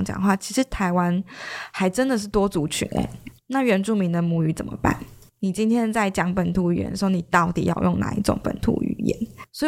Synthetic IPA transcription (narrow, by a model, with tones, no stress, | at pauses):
ŋt͡ɕjɑ̰˨˩ŋxwa˥˩t͡ɕʰi˧˥ʂɻ̩˧˥t̪ʰa˧˥ɪwa˦˥nxa˧˥ɪʈ͡ʂə˦nd̪ə˨ʂ̬̩˥˩t̪wɔ˥t͡su˨˧˥t͡ɕʰy̰˧˥nə̰˨˩˦ | na˥˩ɥɛ˧˥nʈ͡ʂu˥˩mi˧˥ŋd̪ə˨mu˧˥y˧˥t͡sə˨˩mə̰˩pa̰˥˩n | ni˨˩t͡ɕi˥nt̪ʰjɛ˥nt͡sa˥˩ɪt͡ɕjɑ˧˥ŋpə˨˩nt̪ʰu˧˥y˨˩jɛ̰˦˩nd̪ə˩ʂ̩˧o˥˩˧ni˨˩t̪ɑ˥˩ʊt̪ḭ˨˩jɑ̰˥˧ʊjo˥˩ŋna̰˨˧ḭ˧˥ʈ͡ʂʊ̰˨˩ŋpə̰˨˩nt̪ʰṵ˧˥˦y̰˨˩jɛ̰˧˦nswɔ˧˥i˨